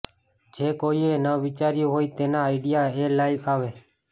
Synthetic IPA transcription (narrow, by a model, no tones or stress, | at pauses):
d͡ʒeːkoːiːeːnaʋɪt͡ʃaːɾjoːɦoːiːt̪eːnãːaːɪɖɪjaːeːlaːikaːʋeː